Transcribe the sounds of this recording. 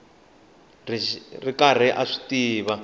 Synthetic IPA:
ririkar̤ɛʔaʂi̥tiːβa

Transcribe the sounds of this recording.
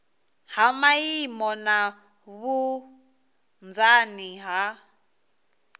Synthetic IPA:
hamajimɔna | βu | nd͡zaniɦa

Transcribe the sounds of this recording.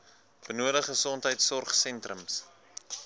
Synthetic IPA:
b̥ənuədəχəsɔntɦəjtsɔrχsɛntrəms

